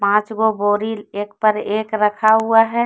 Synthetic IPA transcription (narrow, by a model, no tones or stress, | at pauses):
pãːt͡ʃɡoboɾileːk̚pəɾeːkɾəkʰaɦuaɦɛ